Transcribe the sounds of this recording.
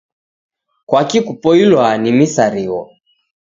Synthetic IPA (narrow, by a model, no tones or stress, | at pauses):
kwakikupɔilwanimisaɾiwɔ